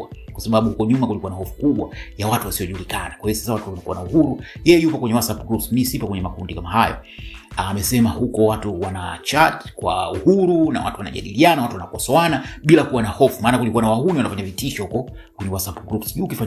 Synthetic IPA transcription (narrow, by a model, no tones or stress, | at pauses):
akwasaɓaɓuhukɔɲumakulikuwanahɔfu̥kuɓwajawatuwasiɔʄulikanakwaijɔsḁsawatuanakṵanauhuɾujɛjɛjupɔkwɛɲɛwasapɡɾupsmisipɔkwɛɲɛmakundikamaɦajɔ̰ | aːmɛsɛmahukɔwatuwanat͡ʃatkwa̰uhuɾuna̰wa̰tuwana̰ʄa̰ɗilianawatuwanakɔsɔanaɓilakuwanahɔfumaːnakulikuwanawahuniwanafaɲavitiʃɔhukɔ | kwɛɲɛwasapuɡɾupsʄuːkifa